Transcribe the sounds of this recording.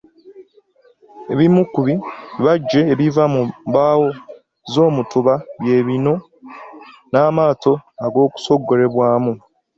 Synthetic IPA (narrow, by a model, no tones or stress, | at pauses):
e̞βimukuβiβaɟːe̞ːβivamubaːwo̞ | zo̞ːmutuβaβje̞ːβino̞ | naːmaːto̞aɡo̞ːku̥so̞ɡːo̞ɾe̞βwaːmu